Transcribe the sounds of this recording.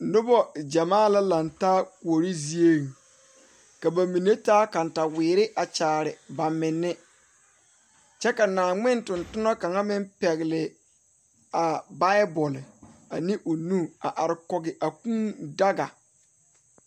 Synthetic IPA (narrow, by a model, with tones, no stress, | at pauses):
nʊ˦bɔ˦d͡ʒa˨maː˦˨la˦la˨ntaː˦ko˨ɾi˦zi˦e˦˨ | ka˨ba˨mi˨ne˦taː˦ka˨nta˨wɪː˨ɾɪ˦ʔa˨t͡ʃaː˨ɾɪ˨ba˨mɪ˨nːɪ˦ | t͡ʃɛ˦ka˨naː˨ŋ͡mɪ˦ntʊ˨ntʊ˦nɔ˦ka˨ŋa˦mɪ˦mpɛ˨ɣɪ˨lɪ˨ | a˨ba˦bɔ˨la˨nɪ˦ʔu˨nu˦a˨ʔa˨ɾɪ˨kɔ˨ɡɪ˨ʔa˨kũ˦da˦ɡa̰˨